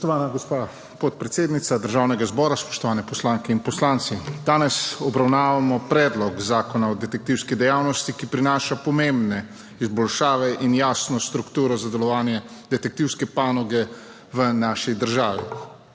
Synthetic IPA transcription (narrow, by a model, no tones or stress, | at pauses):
spɔʃt̪ɔʋaːnaɡɔspa | pɔt̪̚pɾɛt̪seːd̪nit̪sad̪əɾʒawnɛɡazbɔːɾaspɔ̥ʃt̪ɔʋaːnɛpɔslaːŋkɛinpɔslaːnt̪sid̪aːnɛsɔbɾawnaːʋamɔpɾɛːd̪lɔkzaːkɔnaɔd̪ɛt̪ɛk̚t̪iwskid̪ɛjawnɔst̪ikipɾinaːʃapɔmembnɛ | izbɔlʃaːʋɛʔinjaːsnɔst̪ɾukt̪uːɾɔzad̪ɛlɔʋaːnjɛd̪ɛt̪ɛk̚t̪iwskɛpaːnɔɡɛ | ʋənaʃid̪əɾʒaːʋi